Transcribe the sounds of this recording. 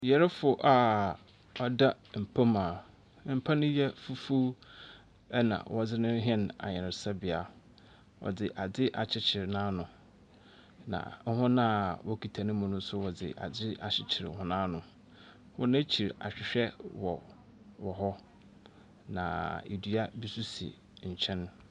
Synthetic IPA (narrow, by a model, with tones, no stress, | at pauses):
jɛ˨ɾɛ˦fʊ˨ʔa˨ | ɔ˦da˦ | m̩˨pʰa˦mãː˨ | m̩˨pʰa˦nʊ̃˦jɛ˦fu˦fu˦ | ɛ˦nã̰˨wʔɔ˦d͡zɪ˦nʊ̃˦ɦɛ̃˦na̰˨ɲɛ̃˨n˨sa˦bɪ˨a˨ | wɔ̰˨d͡zɪ˨ʔa˨d͡zɪ˦ʔa˨t͡ɕʰɪ˦t͡ɕʰɪ˨ɾnãː˦nʊ̃˨ | nã̰˨ŋ̩˦ɦʊ̃˦nã˦wʔɔ˦kʰi˨tʰa˨nɪ̃˦mʊ̃˨nʊ̃˦sʊ˦wɔ˨d͡zɪ̰˨ʔa̰˨d͡zɪ˦a˨ɕɪ˨t͡ɕʰɪ˨ɾɦʊ̃˦nãː˦nʊ̃˨ | wɔ̰˦nã˦t͡ɕʰi˨ɾa̰˨ɕᶣɪ˨ɕᶣɛ˦wɔ˨ | wɔ˨ɦɔ˦ | nã̰˨ḛ˨dɥa˦bi˦su˦sɪ̰˨ | ɲ̩˨t͡ɕʰɛ̃˦n